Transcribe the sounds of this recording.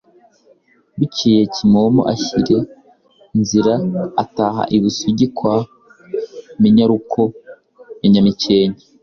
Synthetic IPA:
βuciːjecimomo̰ʔaçiɾe̞ | nziɾaataːɦa̰ʔiβusuɟikwa | miɲaɾukʰo | miɲamiceːɲe

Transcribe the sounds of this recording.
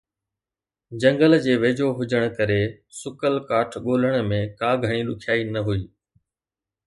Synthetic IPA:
d͡ʑɐ̃ŋɡəld͡ʑeːʋeːd͡ʑʱoɦʊd͡ʑəɽ̃kɐɾe | sʊkəlkaːʈʰɠoːləɽ̃mẽkaːɡʱəɽ̃ilʊkʰjaːinɐɦuiː

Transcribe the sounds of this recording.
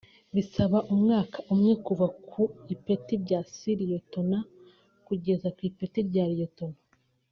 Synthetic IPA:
βisaβaʔumŋaːkḁʔumŋekuvakʰuipetibɟasiɾijoto̞na | kuɟe̞zakwiːpetibɟaːɾijotona

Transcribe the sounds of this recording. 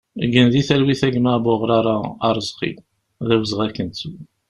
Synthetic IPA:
ɡənðiθælwiθæɡmæboʁɾɑɾˤɑ̰ːɾˤzqḭ | ðæwəzʁækːənt͡su

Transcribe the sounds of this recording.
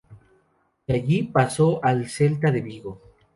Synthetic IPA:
aʝipasoʔalse̞lt̪aðeβiɣo

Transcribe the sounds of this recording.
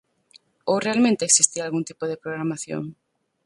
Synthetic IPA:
owrealmẽnt̪eeːksist̪iɾalɣunt̪i̥poðepɾoɣɾamaθjo̰ŋ

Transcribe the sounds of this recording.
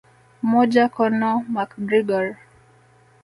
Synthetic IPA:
mɔd͡ʒakɔnɔmakdɾiɡɔɾ

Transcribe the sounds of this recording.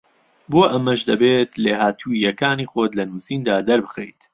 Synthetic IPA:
boːʔɐmɐʃd̪ɐbeːt̪leːɦaːt̪ʰuijɐkaːniːxoːt̪lɐnuːsiːnd̪aːd̪ɐɾbɨxejt̪

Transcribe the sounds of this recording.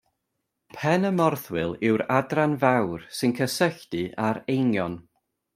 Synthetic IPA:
pʰɛnəmɔrθwɪlˠɪwɾadranvawrsɨnkʰəsəɬd̥ɨʔaɾejnjɔn

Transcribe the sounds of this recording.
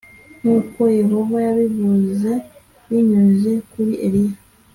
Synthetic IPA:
n̥uːko̞je̞ɦo̞vajaβivuze̞ | βiɲuze̞kuɾiʔeɾija

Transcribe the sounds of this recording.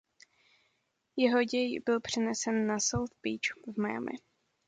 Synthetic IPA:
jɛɦoɟɛjbɪlpr̝̥ɛnɛsɛnːasowθbit͡ʃvmaja̰mɪ̰

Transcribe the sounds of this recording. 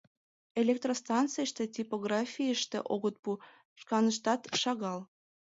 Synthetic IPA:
elʲek̚t̪rost̪ɑnt̪t͡sɨjəʃt̪et̪ʲipoɣrɑfʲijəʃt̪ḛʔoɣət̪̚pu | ʃkɑnəʃ̬t̪ɑt̪ʃɑɣɑl

